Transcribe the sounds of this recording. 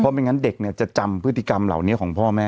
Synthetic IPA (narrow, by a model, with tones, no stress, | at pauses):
pʰɔ˦˥pa˧nŋa˦˥nde˨˩k̚ni˥˩ɐt͡ɕa˨˩t͡ɕa˧mpʰɯ˦˥t̪ʰːi˧˩ka˧mla̰˨˩wni˦˥kʰɔː˩˦ŋpʰɔː˥˩mɛː˦˥